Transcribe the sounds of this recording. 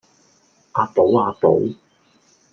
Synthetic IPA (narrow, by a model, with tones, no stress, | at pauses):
aː˧t̪o˨˥waː˧t̪o̰˨˥w